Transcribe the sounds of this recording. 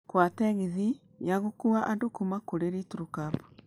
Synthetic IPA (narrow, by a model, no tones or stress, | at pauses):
kwatɛɣiði | jaɣokuaʔandokumakoɾeɾituɾukabu